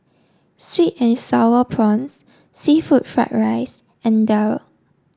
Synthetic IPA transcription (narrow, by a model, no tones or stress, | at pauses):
switɛ̃nsaʊəpʰɹɔ̃ns | sifut̚fɹa̰t̚ɹaɪs | ɛ̃ndaw